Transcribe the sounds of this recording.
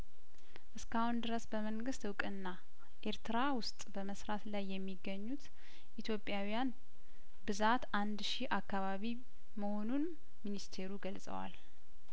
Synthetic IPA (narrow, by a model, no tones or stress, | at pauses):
ʔɨskahund̪ɨɾəsbəməŋɡɨst̪wkʼɨnːa | ʔe̞ɾt̪ɨɾawʊst̪ʼbəməsɾat̪lajːɛmːiɡːəɲːut̪ | ʔit̪ʰjo̞pʼːjawijan | bɨzat̪ʔand̪ʃiʔakːaβaβi | məho̞nun | minist̪ʰe̞ɾuɡəlsʼə̰wa̰l